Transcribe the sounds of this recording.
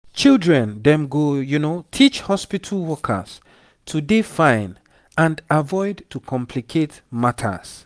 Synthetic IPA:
t͡ʃildɹɛ̃ndɛ̃mɡojunotʰit͡ʃhɔspitʰalwɔkʰə̰s | tʰudefãɪ̃n | ãndavɔɪdtukʰɔ̃mpʰlikʰetmatʰə̰s

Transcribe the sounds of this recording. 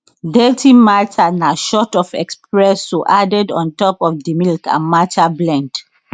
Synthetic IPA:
dɛtʰimatanaʃɔtɔfɛ̰kspɹɛsoʔadɛdɔ̃ntɔpɔfdimilkã̰matʰablɛ̃nd

